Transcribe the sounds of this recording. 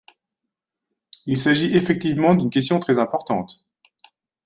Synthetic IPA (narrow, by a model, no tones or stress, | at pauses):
ilsaʒiʔefɛk̚t̪ivmɑ̃d̪ynkʲɛs̬t̪jɔ̃t̪χɛzɛ̃pɔʁt̪ɑ̰̃t̪